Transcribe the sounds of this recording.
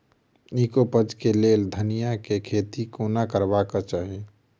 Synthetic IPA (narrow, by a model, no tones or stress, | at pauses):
niːkopəd͡ʒkeleːld̪ʱənijakekʰeːt̪ikoːnakəɾbakat͡ʃaːɦe